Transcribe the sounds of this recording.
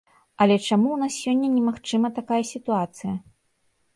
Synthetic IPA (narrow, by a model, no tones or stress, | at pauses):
ɐlʲɛt͡ʂamuwnasʲːɔnʲːɐnʲɛmaxt͡ʂɨmɐt̪akajɐsʲit̪uat̪sɨjɐ